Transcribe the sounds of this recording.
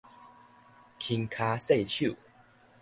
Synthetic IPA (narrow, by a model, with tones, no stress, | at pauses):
kʰi˧ŋkʰa˧se˥˧˨t͡ɕʰu˥˨